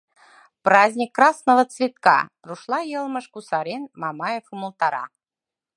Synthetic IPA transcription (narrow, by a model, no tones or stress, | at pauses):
prɑzʲnʲikːrɑsnəvə̆t͡svʲit̪̚kɑ̰ | ruʃlˠɑjɤlˠmə̆ʃkusɑɾʲenmɑmɑjefumə̆lˠt̪ɑɾɑ̰